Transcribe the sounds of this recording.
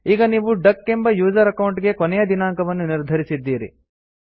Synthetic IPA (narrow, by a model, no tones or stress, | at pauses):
iːɡɐniːʋuɖɐkːe̞mbɐjuːd͡ʒɐɾɐkɐwɳʈɡekonɛjɐd̪inaːŋkɐʋɐnːuniɾd̪ʱɐɾisid̪ːiːɾḭ